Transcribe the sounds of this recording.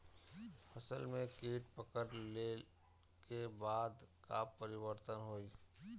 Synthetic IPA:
fʰɐsəlmẽkeːʈ̚pəkəɾle | kebaːd̪kapəɾɪwəɾt̪ənɦoːi

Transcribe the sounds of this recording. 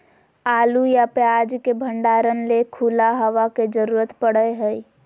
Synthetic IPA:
aːlujapjaːd͡ʒkebʱə̃ɳɖaːɾənlekʰuːlaɦəʋaked͡ʒəɾuːɾət̪pəɽəeɦəi

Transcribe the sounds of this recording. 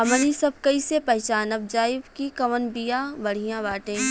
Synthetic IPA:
ɐmənisɐb̚kɐisepɐɦt͡ʃaːnɐb̚d͡ʒaːɪbkikɐʋənbijãbɐɽ̤ijãbaːʈẽː

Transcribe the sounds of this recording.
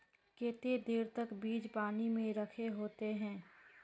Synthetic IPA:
keːt̪ed̪eːɾt̪əkbiːd͡ʒpaːnimẽɾəkʰeɦoːt̪eɦɛ̃ː

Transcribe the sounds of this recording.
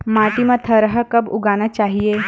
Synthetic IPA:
maːʈimə̃t̪ʰəɾəɦəkɐbʊ̰ɡaːnət͡ʃaːɦie

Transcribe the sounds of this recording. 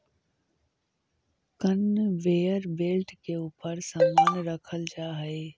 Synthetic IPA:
kənʋeːəɾbeːlʈkeuːpəɾsəmːaːnɾəkʰəld͡ʒaːɦəeː

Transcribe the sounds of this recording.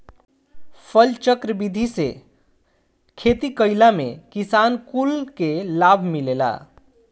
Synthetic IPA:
pʰəlt͡ʃəkɾəbid̪ʱise | kʰet̪ikəɪlamḛkisankulkelabʱmilela̰

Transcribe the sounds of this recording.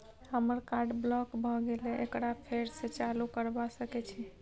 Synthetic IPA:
ɦəməɾkaɾɖblɔkbʱɔɡeleekɾapʰeɾset͡ʃalukəɾbasəkɛt͡ʃʰɛ

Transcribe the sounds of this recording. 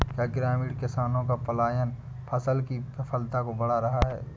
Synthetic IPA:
kjaɡɪɾaːmiːɽkɪsaːnõkapɐlaːjən | pʰɐsəlkipɐpʰəlt̪akobɐɽaɾɐɦaɦɛ̰ː

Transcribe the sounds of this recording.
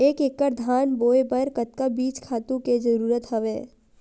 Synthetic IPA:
eːkekːəɾd̪ʱaːnboːebəɾkət̪̚kabiːt͡ʃkʰaːt̪ũked͡ʒɐɾuːɾət̪ɦɐʋeː

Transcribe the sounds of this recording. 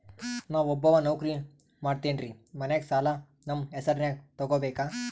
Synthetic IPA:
naːʋɔbːɐʋanɐwkɾi | maːɖt̪eːɳɾimɐneksaːla | nɐmesɐɾnjaːk̚t̪ɔɡoːbeːkaː

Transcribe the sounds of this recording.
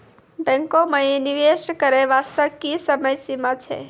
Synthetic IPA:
bɛ̃ŋkomãeniʋeʃkəɾeʋast̪əkisəməjsimãt͡ʃʰḛ

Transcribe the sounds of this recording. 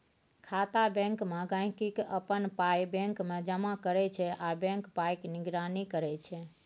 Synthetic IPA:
kʰat̪abɛ̃ŋkmeɡãj̃kikəpənpajbẽŋkmed͡ʒəmakəɾɛt͡ʃʰɛʔabɛ̃ŋkpajkniɡɾanikəɾɛt͡ʃʰɛ

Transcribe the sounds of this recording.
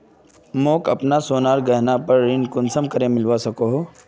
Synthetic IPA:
moːkɐpnasoːnaːɾɡɐɦnapɐɾːɪnkʊnsəmkɐɾẽmɪlʋasɐkoɦoː

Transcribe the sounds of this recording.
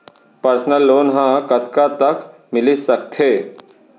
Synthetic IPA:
pəɾsnəlːoːnɦãkət̪kat̪ək | mɪlisəkt̪ʰeː

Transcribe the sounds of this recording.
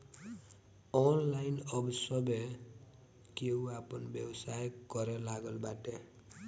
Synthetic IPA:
ɔnlajnʌbsʌbe | kewapʌnbjʌbsajkʌɾelaɡʌlbaʈe

